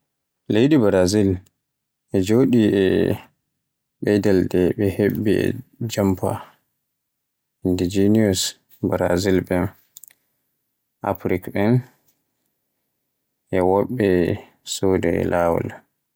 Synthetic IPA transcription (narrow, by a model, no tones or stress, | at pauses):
lejdibaɾazil | ʔɛd͡ʒoːɗiɛ | ɓɛjdaldɛɓɛhebːiɛ̰d͡ʒampa̰ | indid͡ʒiniɔs | baɾa̰zilbɛn | ʔa̰pɾikɓɛn | ʔɛwɔɓːɛ | sodɛɛ̰laːwɔ̰la